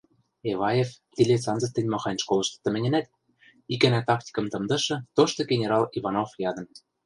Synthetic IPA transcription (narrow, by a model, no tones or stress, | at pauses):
eβɑjeft̪ʲilʲet͡sɑnzɤ̆st̪ɘ̆nʲmɑxɑnʲʃkolɤ̆ʃt̪ɤ̥̆t̪ə̆mɘ̆nʲɘ̆næt̪ | ikænæt̪ɑk̚t̪ʲi̥kɤ̆mt̪ɤ̆md̪ɤ̆ʃɤ̆t̪oʃt̪ɤ̆ɡʲenʲeɾɑlivɑnofjɑd̪ɤ̆n